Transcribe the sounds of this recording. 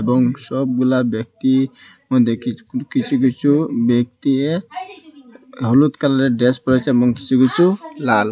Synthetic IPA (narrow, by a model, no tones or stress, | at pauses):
ebɔŋsɔb̚ɡulabɔk̚t̪i | mɔd̪ʱekʰikit͡ʃʰuk̬it͡ʃʰubjɔk̚t̪ie | ɦɔlut̪kalaɾeɖɾespɔɹet͡ʃʰeebɔŋki̥t͡ʃʰukit͡ʃʰulal